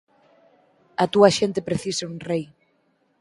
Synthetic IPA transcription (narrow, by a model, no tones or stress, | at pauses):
ɐt̪uɐʃent̪epɾeθisɐuŋrej